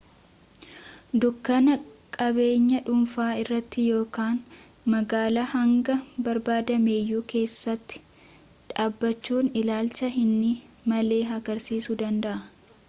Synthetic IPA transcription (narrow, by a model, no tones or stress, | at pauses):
d̪ʊkːɐnɐkʼɐbe̞ːɲːɐᶑʊmfaːɪrːɐt̪ːɪjo̞ːkaːn | mɐɡaːlɐhɐŋɡɐbɐɾbaːd̪ɐme̞ːjːuːke̞ːsːɐt̪ːɪ̥ | ᶑaːbːɐt͡ʃːuːnɪlaːlt͡ʃɐɦɪnːɪ | mɐle̞ːɦɐɡɐɾsiːsʊd̪ɐnd̪ɐʔɐ